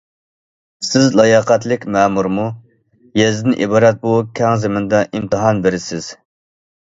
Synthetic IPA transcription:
sɪzlˠɑjɑqæt̪lɪkʲmɛmuɾmu | jɛzɪd̪ɪnʔibɑːɾɛt̪̚bukʲʰɛŋzɪmɪnd̪ɑʔimt̪ɨɦɑnbeɾɪsɪz̥

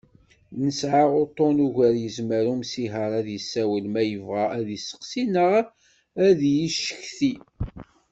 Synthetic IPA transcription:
nəsʕaʁʊt̪ˤːonuʝæɾjəzməɾumsiɦəɾˤæðjəsːæwəlmæjəvʁaæðisə̥qsinəʁ | æðjiʃə̥çθi

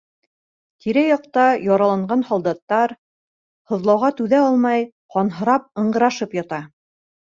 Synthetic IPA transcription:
t̪iɾæjɒqt̪ɑjɑɾɑlˠɑɴɢɑnhɑlˠd̪ɑt̪ːɑɾ | hŏðlˠɑwʁɑt̪ʉðæɑlˠmɑj | qɑnɦɤ̆ɾɑp̚ɤ̆ɴɢɤ̆ɾɑʃɤpjɑt̪ɑ

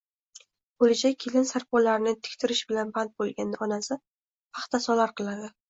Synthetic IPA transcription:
olɪd͡ʒajkʲʰelɪnsaɾpɒlaɾɪnɪt̪ʰɪ̥kʲt̪ʰɪɾɪʃbɪlanbant̪̚bolˠɡʲanːaɒnasɪ | pʰɑχt̪ʰasɒlaɾqʰɨlˠad̪ɪ

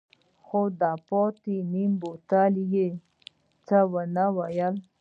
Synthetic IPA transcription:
xod̪apɔt̪inimbot̪alije | t͡sawənawajəl

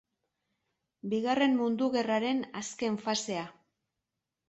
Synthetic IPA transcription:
biɣare̞mmund̪uɣe̞raɾe̞naske̞ɱfase̞a

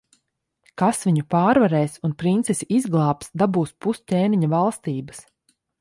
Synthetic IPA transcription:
kasviɲupaːɾvaɾɛːsunpɾint̪sɛsiʔizɡlˠɑːpsd̪abuːspust̪ʲeːmiɲavalˠst̪iːbɐs

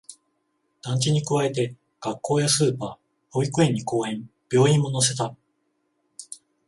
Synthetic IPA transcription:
d̪̥ãɲ̟t͡ɕiɲ̟ikɯ̟βae̞t̪e̞ | ɡ̥akːo̞ːjasɨːpaː | o̞ikɯ̟ẽ̞ɲ̟ːiko̞ːhẽ̞mb̥ʲjo̞ːĩmːo̞no̞s̬e̞t̪a

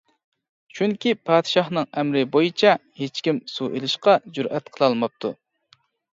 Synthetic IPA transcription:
t͡ʃʰyŋkʲipʰɑːd̪̥ɨʃɑχnɨŋɛmɾɪbojit͡ʃʰɛhet͡ʃkʲimsuʔelɪʃqɑd͡ʒuɾʔɛt̪qʰəlˠɑlˠmɑp̚t̪ʰu

